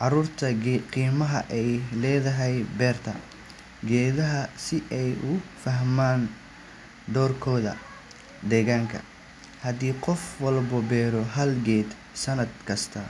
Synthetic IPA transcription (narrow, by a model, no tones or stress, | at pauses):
ʕɑruːrt̪ʰɐqiːmɐɦɐʔɛjlɛːðɐɦɛjbɛːrt̪ʰɐ | ɡɛːðɐɦɐsɪʔɛjʔʊfɐɦmaːn | d̪ɔːrkʰɔːðɐ̰ | d̪ɛːɣaːŋkʰɐ̰ | hɐd̪iːqɔfwɐlbʊbɛːɾɔɦɐlɡɛːd̪ | sɐnɐd̪̚kʰɐst̪ʰɐ